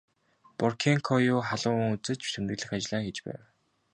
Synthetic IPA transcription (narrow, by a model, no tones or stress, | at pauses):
pɔrkʰeŋkʰɔjʊːχaɮʊːŋŋut͡sɘ̆t͡ɕsʰɵ̆nt̪ɘ̆ɣɮɘ̆xat͡ɕɮaːŋxet͡ɕpæ̰ːw